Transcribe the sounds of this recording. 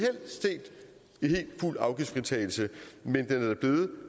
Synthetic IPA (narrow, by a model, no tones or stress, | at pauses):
hel̰se̝̰ːd̥ | ihe̝̰ːld̥ful̰ɑ̈ʊɡ̥ifʁit͡sʰɛ̰ːɪl̩səmend̥enæɐd̥æb̥le̝ːð̩ˠ